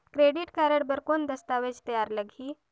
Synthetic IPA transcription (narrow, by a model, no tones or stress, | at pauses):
kɾeɽiʈkaɾəɽbəɾkond̪əst̪aʋed͡ʑt̪əjaɾləɡʱiː